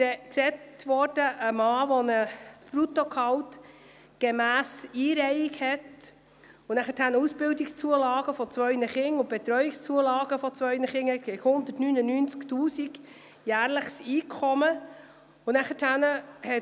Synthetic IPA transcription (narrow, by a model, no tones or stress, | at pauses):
sɛksɛtʋɔːɾd̥əʔəmɑːʋɔnəspɾut̪ɔkʰɑwt | ɡ̥emæːsiːɾɛɪiɡhɛt | ʊnæχətʰænəusb̥ɪldikst͡suəlɑːɡ̥əfɔt͡sʋœʏnəχɪŋʊb̥et̪ɾœʏikst͡suəlɑːɡ̥əfɔt͡sʋœʏnəχɪŋhɛt̚ɡ̥ɛkhʊnd̪ətnynənyːnt͡sktuːsiɡ | jæːɾləχsiːkʰχɔmə | ʊnæχətʰhænəhɛ